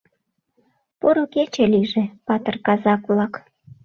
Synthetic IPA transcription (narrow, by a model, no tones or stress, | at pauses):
poɾoket͡ɕeliʒĕpɑt̪ərkɑzɑkβlɑk